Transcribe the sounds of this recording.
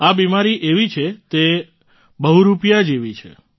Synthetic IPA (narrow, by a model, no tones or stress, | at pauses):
abimaɾiʔeʋit͡ʃʰet̪e | bəɦuɾupjad͡ʒeʋit͡ʃʰḛ